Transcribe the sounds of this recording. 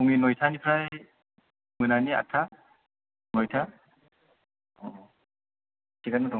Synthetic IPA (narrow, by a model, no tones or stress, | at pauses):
uŋinɔjtʰanipʰɾaj | mɯnania̰tʰa | nɔjtʰa | tikamɯdʰɔ